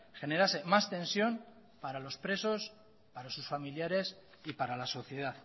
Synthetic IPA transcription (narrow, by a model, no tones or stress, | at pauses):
xe̞ne̞ɾase̞mast̪e̞nsjo̞m | paɾalo̞spɾe̞so̞s | paɾasusfamiljaɾe̞s | ipaɾalaso̞θje̞ð̞aθ